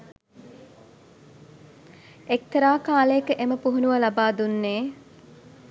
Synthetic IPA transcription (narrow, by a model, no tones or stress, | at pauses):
ek̚t̪əɾaːkaːləjekəʔeməpuɦunuʋəlabaːd̪unːeː